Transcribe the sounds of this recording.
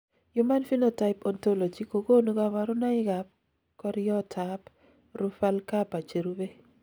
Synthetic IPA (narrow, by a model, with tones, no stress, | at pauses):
jʊ˦ma˦nfi˦no˦ta˨ɪ˨pɔ˨nto˦lo˨d͡ʒi˦ko˨ɡo˦nu˦ɡa˦wa˨ɾʊ˦na˦ɪ˦ɡa˨p̚ | kɔ˦ɾjɔ˦tʰa˨p | ɾʊ˦fa˦lka˦pa˨t͡ʃe˨ɾu˦be˦